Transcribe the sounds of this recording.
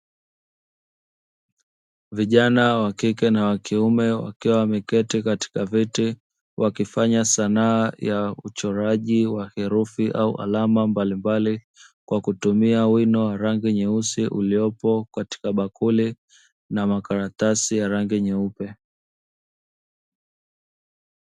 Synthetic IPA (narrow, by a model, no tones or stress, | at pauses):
viʄanawakikɛnawakiumɛwa̰kiwamɛkɛtikati̥kaviti | wʔakifaɲasanaːjaut͡ʃɔɾaʄiwahɛɾufiʔaṵʔa̰lamambalimbali | kwakutumiawinɔwaɾaŋɡiɲɛusiʔuliɔpɔkati̥kaɓakuli | namakaɾatasijaɾaŋɡiɲɛupɛ